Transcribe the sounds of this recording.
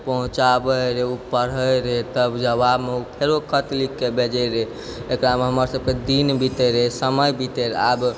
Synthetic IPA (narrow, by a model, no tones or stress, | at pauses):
pəɦũt͡ʃabəɾeupːəɾ̤əjɾet̪əbd͡ʒəβabmeukʰeɾokʰət̪likːebed͡ʒəɾe | ekɾameɦəməɾsəb̚ked̪inbit̪əɾesəməjbit̪əɾab